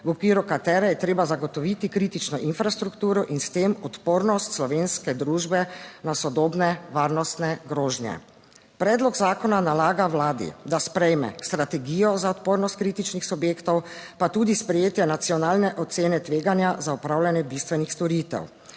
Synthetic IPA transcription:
wɔkʋiːɾukat̪ɛːɾɛjɛt̪ɾeːbazaɡɔt̪ɔʋit̪ikɾiːt̪it͡ʃnɔʔinfɾast̪ɾukt̪uːɾɔʔinst̪emɔt̪poɾnɔst̪slɔʋenskɛd̪ɾuʒbɛnasɔd̪oːbnɛʋaːɾnɔst̪nɛɡɾoːʒnjɛ̰ | pɾɛːd̪lɔɡzaːkɔnanalaːɡawlaːd̪ḭd̪aspɾɛjmɛ̰st̪ɾat̪ɛɡijɔzaɔt̪poːɾnɔst̪̚kɾit̪it͡ʃnixsubjeːkt̪ɔwpat̪uːd̪ispɾɛjeːt̪jɛnat̪sijɔnaːlnɛʔɔt̪seːnɛt̪ʋeːɡanjazaɔpɾaːwlanjɛbist̪ʋɛnixst̪ɔɾit̪ɛ̰w

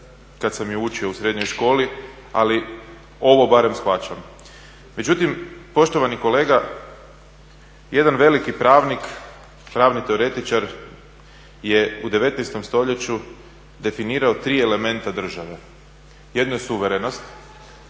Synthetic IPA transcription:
kat̪samjuut͡ʃio̞usɾe̞d̪ɲo̞jʃko̞ːli | a̰li | o̞ʋo̞baɾe̞msxʋat͡ʃam | me̞d͡ʑut̪impo̞ʃt̪o̞ʋaniko̞le̞ːɡa | je̞d̪anʋe̞likipɾaːʋnik | pɾaːʋnit̪e̞o̞ɾe̞t̪it͡ʃaɾ | je̞ud̪e̞ʋe̞t̪nɛjst̪o̞mst̪o̞ʎe̞t͡ɕu | d̪e̞finiːɾao̞t̪ɾiːe̞le̞me̞nt̪ad̪r̩ʒaʋe̞ | je̞d̪nojesuʋeɾe̞no̞st̪

